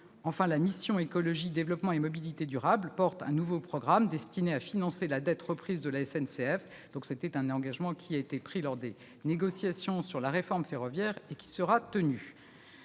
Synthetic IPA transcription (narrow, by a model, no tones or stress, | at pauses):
ɑ̃fɛ̃lamisjɔ̃ekɔlɔʒid̪evlɔpmɑ̃emɔbilit̪ed̪yʁablpɔʁt̪ɛ̰̃nuvopχɔɡʁamd̪ɛst̪ineafinɑ̃selad̪ɛt̪ʁəpχizd̪əlaɛsɛnseɛf | d̪̥ɔ̃kset̪ɛt̪ɛ̃nɑ̃ɡaʒmɑ̃kʲʰiaet̪epχilɔʁd̪e | neɡɔsjasjɔ̃syʁlaʁefɔʁmfeʁɔvjɛʁekʲi̥səʁat̪əny